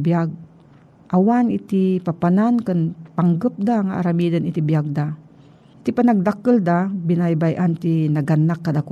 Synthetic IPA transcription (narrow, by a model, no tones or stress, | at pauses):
bijaɡ̚ | ʔawanit̪ipapanankənpaŋɡəp̚d̪aŋaʔaɾamid̪ənit̪ibijaɡ̚d̪a | t̪ipanaɡ̚d̪akəld̪abinajbajʔant̪inaɡanːakːad̪aku